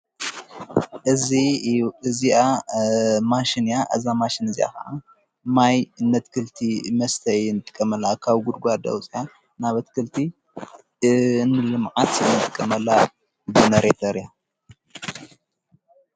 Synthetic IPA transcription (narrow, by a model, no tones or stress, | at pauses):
ʔɨziɨzia | maʃinijaʔɐzamaʃinɨzia̰kɐʔa | majɨnːɐt̪kʰɨlt̪ʰimɐst̪ʰɐjnːɨt̪ʼɨ̥kʼːɐmɐlːakʰaβɡud̪ɡʷad̪ɐ̰wt͡sʼija | naβɐt̪kʰɨlt̪ʰi | nːɨlɨmʕat̪ɨnːɨt̪ʼɨkʼːɐmɐlːa | bɨnɐɾet̪ʰɐɾija